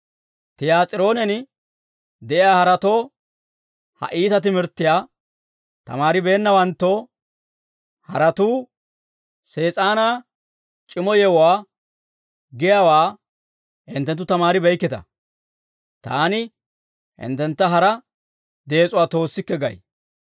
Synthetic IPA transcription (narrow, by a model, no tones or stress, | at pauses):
t̪ɪjaːt͡sʼɪɾo̞ːnɛnɪ | d̪ɛʔɪjaːhɐɾɐt̪o̞ː | hɐ̰ʔiːt̪ɐt̪ɪmɪɾt̪ːɪjaː | t̪ɐ̰maːɾɪbe̞ːnːɐwɐnt̪ːoː | hɐ̰ɾɐt̪uː | se̞ːt͡sʼaːna | t͡ʃʼɪmɔjɛwʊwaː | ɡɪjaːwaː | hɪ̰nt̪ːɛnt̪ːʊt̪ɐmaːɾɪbɛjkːɪt̪ɐ̰ | t̪aːnɪ | hɪ̰nt̪ːɛnt̪ːɐɦɐɾɐ | d̪e̞ːt͡sʼʊwaːt̪o̞ːsːɪkːɛɡɐ̰j